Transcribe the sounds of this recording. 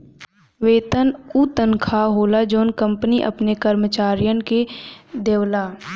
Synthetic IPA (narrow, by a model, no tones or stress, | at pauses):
ʋeːt̪ənut̪ənkʰaɦoːlad͡ʒoːnkə̃mpniʔɐ̰pnekəɾmət͡ʃaːɾijənked̪eːʋlaː